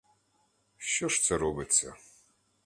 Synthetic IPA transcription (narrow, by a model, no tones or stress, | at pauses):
ʃt͡ʃɔʃt̪sɛɾɔbɪt͡sʲːɐ̰